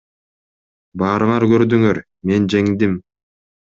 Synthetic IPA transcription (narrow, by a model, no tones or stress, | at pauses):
bɑːɾɯɴɑɾkøɾd̪yŋøɾ | me̞nd͡ʒe̞ŋd̪im